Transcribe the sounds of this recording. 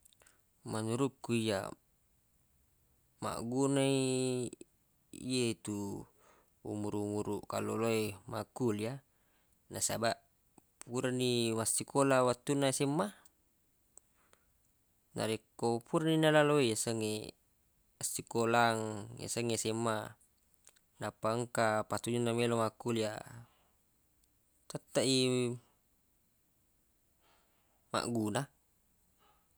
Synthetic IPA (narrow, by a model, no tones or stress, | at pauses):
manuɾukːuija̰ | ma̰ʔɡunai | jet̪u | ṵmuɾuumuɾuʔkalːo̰loemakulia | nasabaʔ | puɾanːimasːikʰolawat̪ːunasemːa | na̰ɾekːopuɾaninalaloeasaŋːe | asːikolaŋja̰saŋːesemːa | napaŋkapat̪ud͡ʒunːamelomakulia̰ | t̪at̪ːaʔi | ma̰ʔɡuna